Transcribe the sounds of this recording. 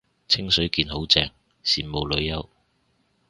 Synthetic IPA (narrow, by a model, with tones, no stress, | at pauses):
t͡sʰɪ˥ŋsɵ˨˥ɥkiː˧nɦo˨˥wt͡sɛː˧ŋ | siː˨˩nmo˨wlɵ˨˧ɥjɐ˥w